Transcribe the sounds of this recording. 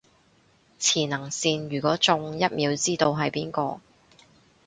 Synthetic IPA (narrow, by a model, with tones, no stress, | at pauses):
t͡sʰiː˨˩nɐ˨˩ŋsiː˧njyː˨˩kʷɔː˨˥t͡sʊ˧ŋjɐ˥t̚miː˨˧wt͡siː˥t̪o˧wɦɐ˨jpiː˥nkɔː˧